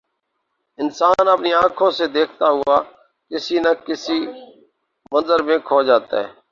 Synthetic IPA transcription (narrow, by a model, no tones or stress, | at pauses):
ɪnsaːnəpniːãːkʰõːseːd̪eːkʰt̪aːɦʊaː | kɪsiːnəkɪsiː | mə̃nzəɾmẽːkʰoːd͡ʒaːt̪a̰ːɦɛ̰ː